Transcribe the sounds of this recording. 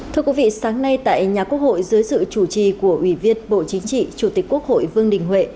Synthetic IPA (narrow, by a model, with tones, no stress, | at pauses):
t̪ʰɨ˧əkwi˨˦vḭ˧˨saː˨˦ŋna˧jt̪a̰ː˧˨jɲaː˨˩ku˦˥ək̚ho̰˧˨jzɨː˨˦jsɨ̰˧˨t͡ɕu˧˩t͡ɕi˨˩ku˧˩əʔwi˧˩vi˧ənɓo̰˧˨t͡ɕï˨˦ŋ̟t͡ɕḭ˧˨t͡ɕu˧˩t̪i˨˩ku˦˥ək̚ho̰˧˨jvɨ˧əŋɗï˨˩ŋ̟hwḛ˧˨